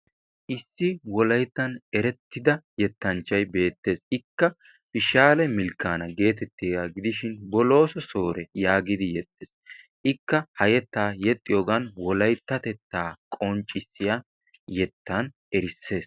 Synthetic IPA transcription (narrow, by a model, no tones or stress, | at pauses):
ʔɪsːɪwɔlɐjt̪ːɐnɛɾɛt̪ːɪd̪ɐjɛt̪ːɐnt͡ʃːɐjbe̞ːt̪ːe̞ːsɪkːɐ | pɪʃaːlɛmɪlkːaːnɐɡe̞ːt̪ɛt̪ːeːɡaɡɪd̪ɪʃɪnbɔlo̞ːsɔso̞ːɾɛjaːɡɪd̪ɪjɛt̪ʼːes | ʔɪkːɐhɐjɛt̪ːaːjɛt̪ʼːɪjoːɡɐnwɔlɐjt̪ːɐt̪ɛt̪ːaːkʼɔnt͡ʃʼːɪsːɪja | jɛt̪ʰːɐn | ɛɾɪsːe̞ːs